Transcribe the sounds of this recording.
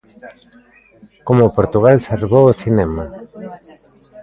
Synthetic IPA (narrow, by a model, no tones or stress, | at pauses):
komopoɾt̪uɣ̞alsaɾβoosinema